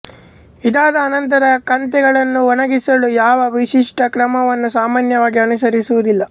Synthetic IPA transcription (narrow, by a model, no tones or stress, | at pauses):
id̪aːd̪ɐːnɐnt̪ɐɾɐkɐnt̪ɛɡɐɭɐnːuʋɔnɐɡisɐlujaːʋɐʋiʂiʂʈɐkɾɐmɐʋɐnːusaːmaːnjɐʋaːɡiɐnusɐɾisuʋud̪ilːɐ